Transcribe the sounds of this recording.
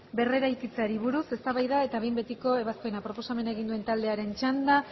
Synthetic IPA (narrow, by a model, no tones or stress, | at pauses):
be̞re̞ɾajkit͡saɾiβ̞uɾuse̞st̪aβajðae̞t̪aβejmbe̞t̪iko̞eβ̞askoenapɾo̞po̞same̞nae̞ɣind̪ue̞nt̪ald̪e̞aɾe̞nt͡ʃand̪a